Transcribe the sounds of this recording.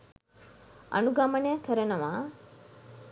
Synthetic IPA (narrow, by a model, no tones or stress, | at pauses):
ɐ̰nuɡamɐnejakəɾənəʋa